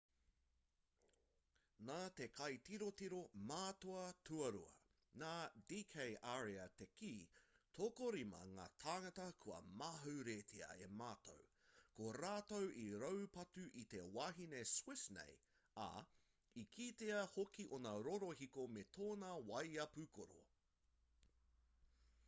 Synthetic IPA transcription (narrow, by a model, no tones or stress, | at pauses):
naːte̞kʰɐjtiɾotiɾomaːtoɐtʰuɐɾṵɐ̰ | naːdiːkʰejʔaːɾeɐtekiːtʰokoɾimɐ̰ŋa̰ːtʰaːŋɐtɐkʰuɐ̰maɦɐwɾetʰiɐ̰ḛmaːto̰w | koɾaːtowʔiɾowpɐtʉʔit̪e̞waːɦineswɪsnḛj | ɐ̰ | ikʰiːteɐhokiʔonɐɾoɾoɦikometʰoːnɐwɐjɐpʉkʰoɾo̰